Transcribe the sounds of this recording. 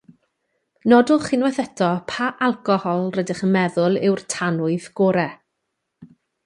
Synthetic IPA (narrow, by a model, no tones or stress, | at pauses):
nɔdʊlˠχɪnwɛθɛtʰɔpʰaʔalˠkɔhɔlˠrədɪχənmɛðʊlˠɪwrtʰanʊɨðɡoːɾɛ